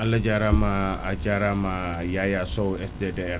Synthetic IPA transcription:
ʔalːad͡ʒaɾamaad͡ʒaɾamajajasɔɛsdedeɛɾ

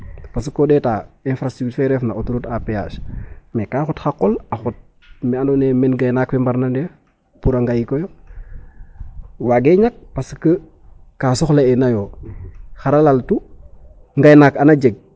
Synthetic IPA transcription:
paskodɛtaːinfɾastɾuktɛːɾɛfnaotuɾutapea̰ʃmekaxutxakːɔlaxut̚ | mɛanonemɛnɡajnakfimbaɾnande | puɾaŋɡajikojo | waɡeːɲak̚paskə | kaːsɔxleɛnajoː | xaɾalaltu | ŋɡajnakanad͡ʒeɡ̚

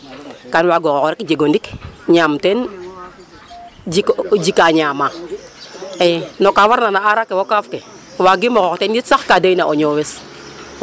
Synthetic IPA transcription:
kanwaɡokokɾekd͡ʒeɡondikɲamten | d͡ʒikd͡ʒikaɲama | enokawaɾnanaaɾakewokafke | waɡimoɣɔktenditsaxkadajinaʔoɲowes

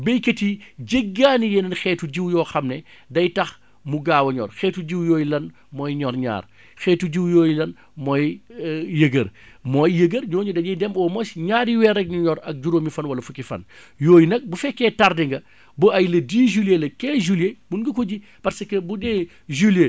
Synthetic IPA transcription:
bejketiɟeɡːaːnijɛnɐnxɛːtuɟiwjɔːxɐmnɛ | dɐjtɐx | muɡaːwɐɲɔːrxɛːtuɟiwjɔːjlɐn | mɔjɲɔɾɲa̰ːɾ | xɛːtuɟiwjɔːjilɐn | mɔjjəɡɐɾ | mɔjːəɡəɾɲɔːɲudɐɲɐjdɛmɔːmɔsɲaːɾiwɛɾɐk̚ɲuɲɔɾɐk̚d͡ʒuɾoːmifɐnwɐlɐfukifɐ̰n | joːjinɐk̚bufɛkːɛtardɛŋɡɐ | buɐjlɐdiːʒuljelɐkɛʒuljemunɡɐkɔɟi | pɐɾsɐkɐbudɛː | ʒulje

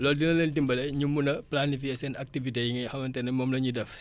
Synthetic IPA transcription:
lɔːldinɐləntimbɐlɛɲumunɐplanifiɛsɛnak̚tivitejiŋɐhɐmɐntɛnɛmɔmlɐɲudɛf

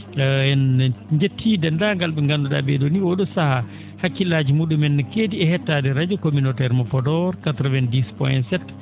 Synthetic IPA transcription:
ɛnɲd͡ʒetʰːidɛndaŋɡalɓɛŋɡanduɗa̰bɛdoniwɔɗɔsaha | hakːilad͡ʒimuɗumɛnːɛkediɛhɛtːadɛɾad͡ʒɔkominotɛɾmɔpɔdɔɾkatɾɔvɛndispɔjɛntsɛt

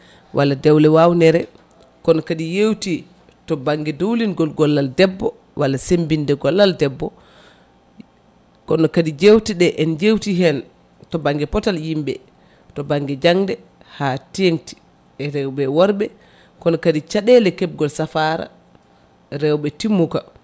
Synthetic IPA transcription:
wʔalːadɛwlɛwawnɛɾɛ | kɔnɔkaɗijewti | tɔbaŋɡɛdowlinɡɔlɡɔlːaldɛbːɔ | walːasembindɛɡɔlːaldɛbːɔ | kɔnɔkaɗid͡ʒewtiɗɛʔɛnd͡ʒewtiɦɛn | tɔbaŋɡɛpɔtaljimbɛ̰ | tɔbaŋɡɛd͡ʒaŋdɛ | hatijeŋti̥ | ɛɾɛwbɛwɔɾbɛ | kɔnɔkadit͡ʃaɗɛlɛkɛb̚ɡɔlsafaɾa̰ | ɾɛwɓɛtimːuka

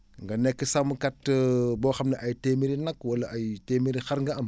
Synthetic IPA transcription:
ŋɡɐnɛkːəsɐmkɐtːbɔːxɐmnɐʔajtemiɾinɐkwɐlːɐʔajteːmiɾixɐɾŋɡɐɐm

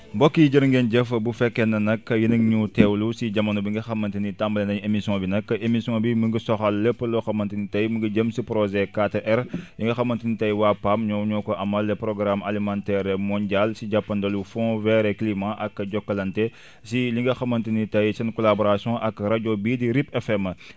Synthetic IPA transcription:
mbɔkːid͡ʒiɾŋɡend͡ʒɛfɐbufɛkːɛnɐnɐkːɐjinɐŋɲutɛwlusid͡ʒɐmɐnubiŋɡɐxɐmɐntinitambɐlendɐɲemisjɔ̃binɐkːɐʔemisjɔ̃biməŋɡisɔxɐlːəpːəloxɐmɐntinitɐjmuŋɡid͡ʒəmsipɾɔzɛkateʔɛɾliŋɡɐxɐmɐntinitɐjwapamɲɔwɲɔkɔʔɐmɐlːɛpɾɔɡɾamʔa̰limãntɛɾemɔnɟalsiɟapːɐndɐlufɔ̃vɛɾɛklimãʔɐkːɐɟɔkːɐlɐntɛ | siliŋɡɐxɐmɐntinitɐjsɐnkɔlabɔɾasiɔ̃ʔɐkːɐɾaɟɔbidiɾipɛfɛmɐ

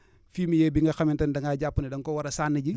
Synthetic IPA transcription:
fiːmijeːbiŋɡɐxɐmintɐndɐŋɡaːɟapːunidɐŋkɔwɐɾɐsaːnːiɟi

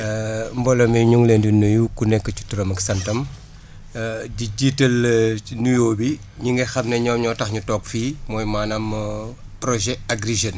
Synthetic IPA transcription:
mbɔlɐmɛɲuŋlendunːujukunɛkːət͡ʃu̥tuɾɐmɐksɐntɐm | ɟiɟitːɐlnujoːbi | ɲuŋɡɛxɐmnɐɲɔːmɲɔtɐxɲutɔːkfiːmɔːjmaːnɐm | pɾɔʒɛaɡriʒɐn

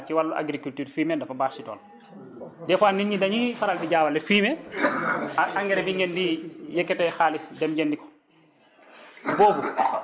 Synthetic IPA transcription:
ciwalːuʔa̰ɡɾikultyːɾfiːmɛdɐfabaːsitɔ̰ːl | dɛfaːnːinɲidɐɲifaɾaldiɟaːwalɛfiːmɛ | aaŋɡɛɾɛbiŋɡɛndijɛkːɛtɛjxaːlisdɛmɟɛndikɔ̥ | boːbu

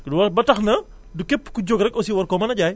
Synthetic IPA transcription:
dwɐbɐtɐxnɐ | dukɛpːkuɟoɡɾɛkɔsiwɐrkɔmɐnɐɟaːj

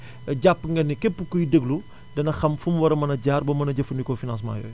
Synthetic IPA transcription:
ɟapːŋɡɐnːikepːəkujdəɡlu | dɐnɐxɐmfumwɐɾɐmɐnɐɟaːɾbɐmɐnɐɟɐfɐndikɔfinãnsma̰ːjɔ̰j

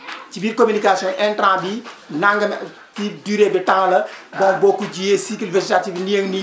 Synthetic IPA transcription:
cibiːɾkominikasjɔ̃ʔɛntɾãːbinaŋɡɐm | tiduːɾeːbitãŋlɐbɔ̃ŋ̚bɔkud͡ʒijesikilvɛd͡ʒetativnijeŋni

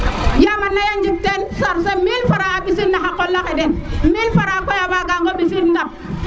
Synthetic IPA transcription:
jamanːajand͡ʒik̚tensaɾsemilfaɾaabis̬inːaxakolːakedenmilfaɾakojabaɡaŋɡobisinda

